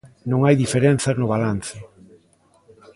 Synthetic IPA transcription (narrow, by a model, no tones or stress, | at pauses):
nõŋajðifeɾen̟θɐznʊβ̞alanθɪ